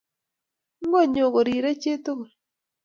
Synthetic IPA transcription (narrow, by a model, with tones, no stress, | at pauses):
ŋ˦ɡo˦˨ɲo˨ko˨ɾi˨ɾe˦t͡ʃe˦t̪o˦˨